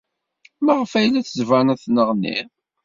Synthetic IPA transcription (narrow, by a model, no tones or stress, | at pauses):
məʁəfæjlːæθəzvænæθnəʁnːḭ